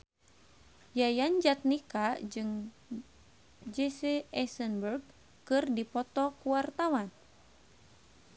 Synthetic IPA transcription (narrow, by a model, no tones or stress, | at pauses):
jajand͡ʒat̪̚nikad͡ʒɨŋ | d͡ʒeseɛsənbərɡ | kɨrdipɔt̪ɔkuwart̪awan